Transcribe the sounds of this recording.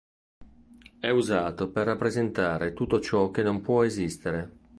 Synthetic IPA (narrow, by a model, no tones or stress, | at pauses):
ɛuzaːt̪operːapːɾezent̪aːɾet̪ut̪ːot͡ʃɔk̟enompwɔezist̪eɾe